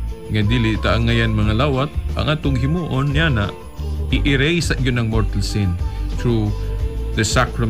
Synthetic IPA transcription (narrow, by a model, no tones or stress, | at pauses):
ŋɐd̪ilɪt̪ɐʔɐŋːɐjanmɐŋalaːwɐt̪̚ʔɐ̰ŋʔaːt̪oŋɦɪmuːʔonːjanɐ̰ʔ | ɪʔɪɾɛjsɐʔjonɐŋmoɹt̪ɐlsinθɹu | ðɐsakɹɐ